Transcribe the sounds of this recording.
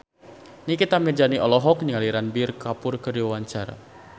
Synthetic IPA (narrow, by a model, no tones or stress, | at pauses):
nikit̪amid͡ʒaniʔɔlɔɦɔk̚nialiɾanbirkapʊrkəriwawaɲt͡ʃaɾa̰